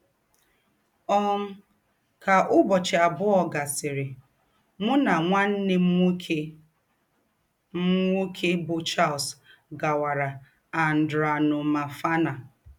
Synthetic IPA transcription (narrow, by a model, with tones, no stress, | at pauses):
ɔ˦m̩˦ | ka˨ʔʊ˦bɔ˨t͡ʃɪ˨a˨bʊ˦ɔ˨ɡa˨sɪ˨ɾɪ˨ | mʊ˦na˨ŋʷa˦n̩˦nɪ˦m̩˦e˦ | m̩˦ŋu˦kʰe˦bʊ˨t͡ʃa˦lsɡa˨wa˨ɾa˨ | a˨n̩˨dɾʊ˨a˨nʊ˨ma˨fa˦na˨